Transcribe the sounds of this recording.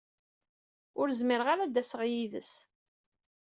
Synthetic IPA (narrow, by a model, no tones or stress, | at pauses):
ʊɾzmɪɾʁaɾad̪æsəʁjiðə̰s